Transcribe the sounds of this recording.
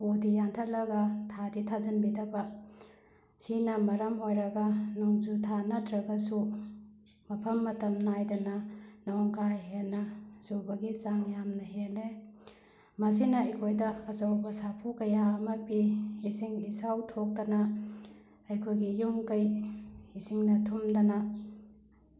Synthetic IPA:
odijantʰɐk̚lɐɡɐtʰaditʰazɐnbidɐbɐ | sinɐmɐɾɐmɦojɾɐɡɐnuŋzutʰanɐtʰɾɐɡɐsu | mɐpʰɐmːɐtɐmnajdɐnɐnɐwŋkajɦenːɐsubɐɡisaŋjamnɐɦele | mɐs̬inɐɐjkʰojdɐɐzɐwbɐsapʰukɐjaɐmɐpiisiŋisawtʰok̚dɐna | ɐjkʰojɡijuŋkɐjisiŋnɐtʰumdɐnɐ

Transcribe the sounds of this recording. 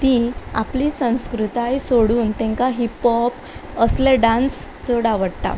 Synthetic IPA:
t̪ia̰plisə̃w̃skɾut̪ajsoɽuːnt̪ɛ̃ŋkaɦipɔp | əsleɖãnst͡səɽaʋəɽʈ̪a̰

